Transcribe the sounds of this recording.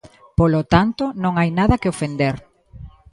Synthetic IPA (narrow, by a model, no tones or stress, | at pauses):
polot̪ant̪onõŋajnaðɐkeofend̪eɾ